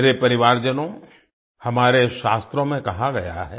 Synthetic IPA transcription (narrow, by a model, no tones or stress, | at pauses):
ɾepɐɾɪʋaːɾd͡ʒənõ | hɐmaːɾeʃaːst̪ɾõmẽkɐɦaɡɐja̰ɦɛː